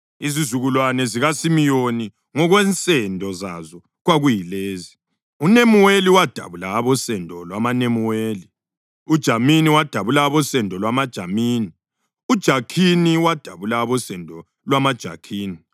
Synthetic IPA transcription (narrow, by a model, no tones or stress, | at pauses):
izizuɣulwanɛziɣasimijoni | ŋɔɣwɛnt͡sʼɛndʱɔza̰zɔ | ɣwaɣujileːzi | unemuweliwad̥ʱa̰βulaːβɔsɛndʱɔlwamanemuweːli | ud̥ʒ̥ʱaminiwad̥ʱaβulaːβɔsɛndʱɔlwamad̥ʒ̥ʱamiːni | ud̥ʒ̥ʱakʰiniwad̥ʱaβulaːβɔsɛndʱɔ | lwamad̥ʒ̥ʱa̰kʰiːni